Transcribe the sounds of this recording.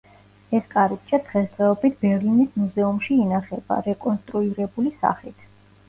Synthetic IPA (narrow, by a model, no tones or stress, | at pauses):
ɛskʼaɾik̚t͡ʃʰʼad̪̥ʁɛsd̪ʼɛɔbit̪̚ʰb̥ɛɾlinismuzɛumʃiːnaχɛba̰ɾɛkʼɔnst̪ʼɾuiɾɛbulisa̰χlit̪ʰ